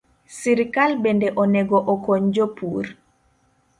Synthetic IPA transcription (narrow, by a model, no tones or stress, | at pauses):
siɾkalbɛndɛʔɔnɛɡɔʔɔkɔɲd͡ʒɔpuːɾ